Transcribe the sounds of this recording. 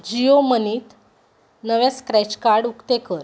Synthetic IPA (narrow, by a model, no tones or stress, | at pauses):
d͡ʑioməniːt̪ | nəʋet͡skɾɛt͡ɕkaɾɽukt̪ekəɾ